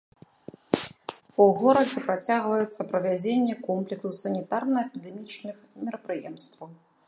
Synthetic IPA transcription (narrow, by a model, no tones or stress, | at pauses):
uɣɔɾɐd͡zʲɛpɾat͡sʲaɣvɐjɛt̪sːɐpɾɐvʲad͡zʲenʲːɛkɔmplʲɛksusɐnʲit̪arnɐɐpʲid̪ɛmʲit͡ʂnɨxmʲɛɾɐpɾɨjɛmst̪vɐw